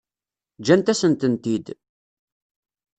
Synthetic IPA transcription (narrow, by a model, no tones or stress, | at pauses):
d͡ʒænt̪æsənt̪ənt̪id̪